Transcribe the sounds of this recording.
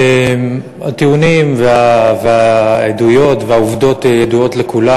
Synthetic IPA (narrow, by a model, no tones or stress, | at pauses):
em | hat̪iunimveaveaedujo̞tveauvdo̞t̪ejedujo̞tlekula